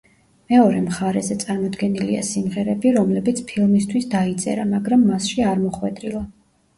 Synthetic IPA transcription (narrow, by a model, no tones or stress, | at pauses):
mɛɔɾɛmχaɾɛzɛt̪sʼaɾmɔd̪ɡɛnilia̰simʁɛɾɛbiɾɔmlɛbit̪sʰpʰilˠmist̪ʰwisd̪ait̪sʼɛ̰ɾamaɡɾamːasʃiaɾmɔχwɛd̪ʼɾilˠa